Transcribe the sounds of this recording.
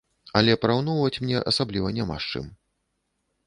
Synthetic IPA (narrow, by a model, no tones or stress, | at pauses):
ɐlʲɛpɾawnɔwvɐt͡sʲmnʲɛʔɐ̰sablʲivɐnʲama̰ʂt͡ʂɨ̰m